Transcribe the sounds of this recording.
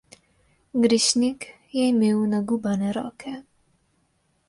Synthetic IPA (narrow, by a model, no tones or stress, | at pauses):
ɡɾɘɕɲik | jejmʲɘwnaɡubanɛɾɔ̰kʰɛ